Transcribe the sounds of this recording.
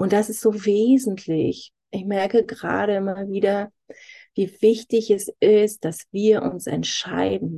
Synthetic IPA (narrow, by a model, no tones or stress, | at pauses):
ʔʊnt̚d̥asɪstz̥oːveːzn̩tʰlɪç | ʔɪçmɛɐkəɡʁa̰ːɾəɪmɐviːdɐ | viːvɪçtɪçɛsɪst̚d̥asv̥iːɐʔʊnsɛ̰ntʃa̰ɪdn̩